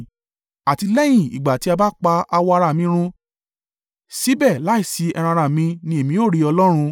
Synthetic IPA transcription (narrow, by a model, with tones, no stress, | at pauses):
a˨ti˧lɛ˦j̃ĩ˦˨ḭ˨ɡ͡ba˨ti˧˦a˧ba˦k͡pa˧a˧wɔ˧a˧ɾa˧˨mĩ˧˦ɾ̃ũ˧ | si˨˦bɛ˦˨la˨˦i˦˨si˨˧˦ɛ˧ɾ̃ã˧ɾa˦˨mĩ˧nĩ˧˦e˨mĩ˨˧˦o˦˨ɾi˨˦ɔ˧lɔ˦ɾ̃ũ˧